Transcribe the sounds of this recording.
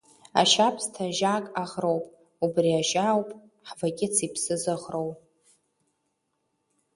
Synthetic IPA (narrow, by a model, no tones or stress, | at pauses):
a̰ʃapʰstʰaʒakʼaʁrowpʼ | ubriaʒawpʼ | ħvaɡʲʼɪt͡sʰipʰsɨzɨʁrowʼ